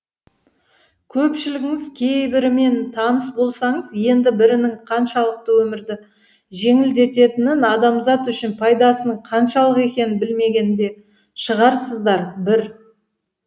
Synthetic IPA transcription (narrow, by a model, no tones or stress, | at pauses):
kʲʰɵpʃɪlɪɡʲɪŋɪzkʲʰe̞jbɪɾɪme̞nt̪ʰɑnəsbo̞lˠsɑɴəzje̞nd̪ɪbɪɾɪnɪɴqʰɑnʃɑlˠəq̚t̪əwɵmɪɾd̪ɪ | ʒe̞ŋɪld̪e̞t̪e̞t̪ɪnɪnɑd̪ɑmzɑt̪ʏʃɪnpʰɑjd̪ɑsənəɴqʰɑnʃɑlˠəqe̞kʲe̞nɪnbɪlme̞ɡʲe̞nɪnd̪e̞ | ʃəʁɑɾsəzd̪ɑɾbɪɾ